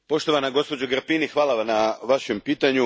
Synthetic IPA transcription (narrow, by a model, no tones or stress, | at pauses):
po̞ʃt̪o̞ʋanaɡo̞spo̞d͡ʑaɡɾpinixʋaːlˠaʋamnaʋaʃempiːt̪aɲu